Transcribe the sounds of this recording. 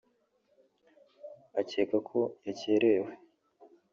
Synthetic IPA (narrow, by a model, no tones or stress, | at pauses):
aceːkakʰo̞jaceːɾeːwe